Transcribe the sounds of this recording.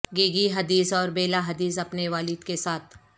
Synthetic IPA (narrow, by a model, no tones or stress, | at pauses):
ɡeːɡiɦɐd̪iːsɔːɾbeːlaɦɐd̪iːs̬ɐpneʋaːlɪd̪kesaːt̪ʰ